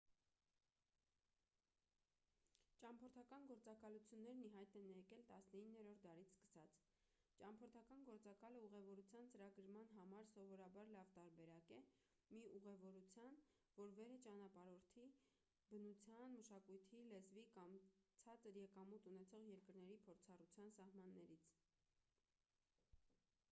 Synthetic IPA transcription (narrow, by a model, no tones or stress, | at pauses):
t͡ʃɑmpʰɔɾt̪ʰɑkɑnɡɔɾt͡sɑkɑlut͡sʰjunːɛɾniɦɑjt̪ɛnjɛkɛlt̪ɑsnəinːɛɾɔɾt̪ʰd̪ɑɾit͡sʰskə̥sɑt͡sʰ | t͡ʃɑmpʰɔɾt̪ʰɑkɑnɡɔɾt͡sɑkɑləuʁɛvɔɾut͡sʰjɑnt͡səɾɑɡəɾmɑnɦɑmɑɾsɔvɔɾɑbɑɾlɑvt̪ɑɾbɛɾɑkɛ | miuʁɛvɔɾut͡sʰjɑn | vɔɾvɛɾɛt͡ʃɑnɑpɑɾɔɾt̪ʰi | bənut͡sʰjɑnməʃɑkujt̪ʰilɛzvikɑmt͡sʰɑt͡səɾjɛkɑmut̪unɛt͡sʰɔʁjɛɾkəɾnɛɾipʰɔɾt͡sʰɑrut͡sʰjɑnsɑhmɑnːɛɾit͡sʰ